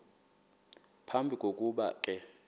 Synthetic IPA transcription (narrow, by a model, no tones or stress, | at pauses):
pʰambʱikʼok̬ʼuɓa̰kʼɛ